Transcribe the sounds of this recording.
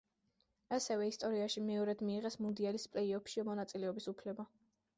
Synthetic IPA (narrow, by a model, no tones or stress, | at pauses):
asɛvɛist̪ʼɔɾiaʃimɛɔɾɛd̪̥miːʁɛsmund̪ialispʼlɛiɔpʃiɔmɔnat̪sʼilɛɔbisupʰlɛba